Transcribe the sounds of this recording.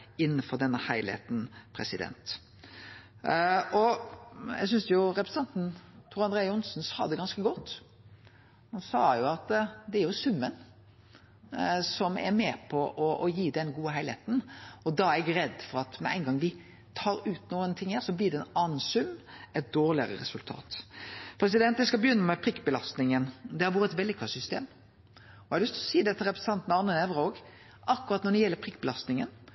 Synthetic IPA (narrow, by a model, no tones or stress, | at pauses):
ɪnːənfɔʁd̪ɛnːəhæɪlhḛt̪n̩pʰɾɛ̰sɪd̪ɛ̰nt̪ | ɔjæ̰ɪsʏnsjʊɾɛpɾsn̩ʰɑnt̪n̩t̪ʰuːɾɑnd̪ɾeːəʊnsnsɑ̰ːd̪ɛɡɑnskəɡɔt̪ː | hɑnsɑːjʊɑt̪d̪ɛæɾjʊsʉmːən | sɔmæ̰ɾmeːpʰɔʔɔʔɔjiːd̪ɛnɡuːəɦæɪlheːt̪n̩ɔd̪ɑːæɾɛɡɾɛd̪ːfɔɾɑt̪mɛ̰ʔæɪnɡɑŋʋɪ | t̪ʰɑːɾʉːt̪nuːənt̪ʰɪŋhæːɾsɔblɪɾdɛnɑnːsʉmɛt̪̚d̪oːɾlɪəɾə̰ɾɛsʉlt̪ʰɑ̰ːt̪pʰɾɛs̬ɪd̪ɛnt̪d̪ɛskɑbəjʏnːəmɛpʰɾɪkːbəlɑst̪nɪŋənd̪ɛhɑɾʋoːɾəɛt̪ʋɛld̪ɪkʰɑsʏst̪ḛːm | ɔhæɾlʏst̪ʰlɔsiːd̪ɛt̪ːəɾɛpɾəsɑnt̪nɛɑnːənɛʋɾoːɡ | ɑkːʉɾɑt̪nɔɖ̪ɛjɛlːəɾpʰʁɪkːbəlɑst̪nɪŋə̰n